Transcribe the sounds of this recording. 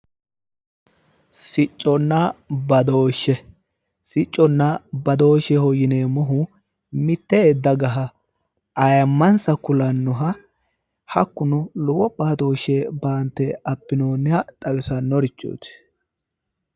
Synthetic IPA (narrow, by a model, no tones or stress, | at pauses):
sɪt͡ʃʼːɔnːɐbɐd̪o̞ːʃːɛ | sɪt͡ʃʼːɔnːɐbɐd̪o̞ːʃɛhɔjɪneːmɔɦʊ | mɪt̪ːɛd̪ːɐɡɐɦɐ | ɐjɐmːɐnsɐkʊlɐnːɔɦɐ | hɐkːʊnʊlɔwɔbɐd̪o̞ːʃɛbaːnt̪ːɛɐpːɪnoːnːɪhɐt̪ʼɐwɪsɐnːɔɾɪt͡ʃːo̰ːt̪